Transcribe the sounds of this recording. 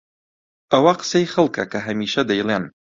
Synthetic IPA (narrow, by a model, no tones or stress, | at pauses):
ɐwɐqə̥sejxɐlˠkɐkʰɐɦɐmiːʃɐd̪ɐjlˠen